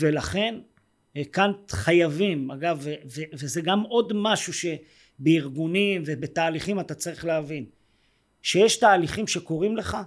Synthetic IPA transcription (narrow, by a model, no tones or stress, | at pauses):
ve̞laχe̞n | kanχajavimaɡavevevezeɡamo̞dmaʃuʃe̞ | beiʁɡunimvebe̞taːliχimat̪at͡saʁiχleavin | ʃejeʃtaːliχimʃe̞ko̞ʁimle̞χa